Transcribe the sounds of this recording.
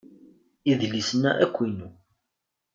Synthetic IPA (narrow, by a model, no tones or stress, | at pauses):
iðlisənːæ̰ʔækʷːinu